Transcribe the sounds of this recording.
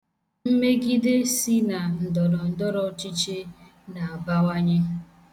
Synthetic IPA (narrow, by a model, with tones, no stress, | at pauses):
m̩˦me˦ɡi˦de˦si˦na˨n̩˨dɔ˨ɾɔ˨n̩˦dɔ˦ɾɔ˨˦t͡ʃi˦t͡ʃe˦ | na˨a˨ba˦wa˦ɲe˦